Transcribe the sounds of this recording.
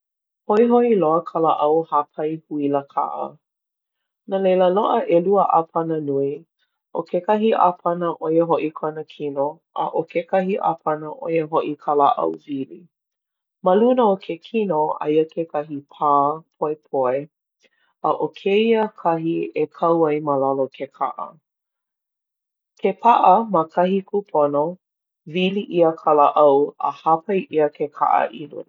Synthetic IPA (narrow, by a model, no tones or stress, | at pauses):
hoiɦoʔiloəkʰalaʔɐwhapʰɐjhuiləkʰa̰ʔə̰ | nalejləloʔəʔeluəʔapʰɐnənui | ʔokʰekɐɦiʔa̰pʰɐnəʔojəɦoʔikʰonəkʰino | ʔə̰ʔokekɐɦiʔa̰pʰɐnəʔojəɦoʔikʰalaʔɐ̰wvili | məlunəokʰekʰinoɐ̰jəkʰekʰɐɦipʰaːpʰoepʰoe | əʔokʰeiəkʰɐɦiekʰɐwɐjməlalokʰekʰa̰ʔə̰ | kʰepʰaʔəməkʰɐhikʰupʰono | viliʔiəkʰalaʔɐwə̰hapʰɐjʔiəkʰekʰa̰ʔə̰ʔilṵn